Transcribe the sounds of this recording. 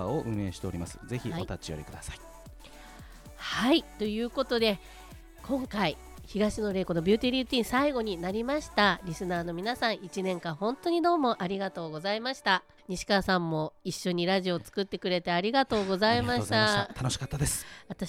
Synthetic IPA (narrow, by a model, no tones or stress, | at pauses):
oʔɯ̟̃e̞ːɕi̥t̪e̞oɾʲimasɨ̥ze̞çiot̪at͡ɕijo̰ɾḭkɯ̟d̪asai | hait̪o̞jɯ̟ːkot̪o̞d̪e̞ | kʰõ̞ŋkai | çiɡaɕino̞ɾe̞ːko̞nobʲɨːt̪ʲiɾʲit̪ʲĩːɰ̃saiɡo̞ɲ̟inaɾʲimaɕi̥t̪aɾʲisɨnaːno̞mʲinasãɰ̃it͡ɕinẽ̞ŋkãɰ̃hõ̞nt̪o̞ɲ̟id̪o̞ːmo̞ʔaɾʲiɡat̪o̞ːɡo̞zaimaɕi̥t̪a | ɲ̟iɕi̥kaːsãmːo̞iɕːo̞ɲ̟iɾaʑio̞t͡sɨ̥kɯ̟t̪ːekɯ̟ɾe̞t̪e̞aɾʲiɡat̪o̞ːɡo̞zaimaɕi̥t̪at̪ʰanoɕi̥kat̪ːad̪esɨ̥βat̪a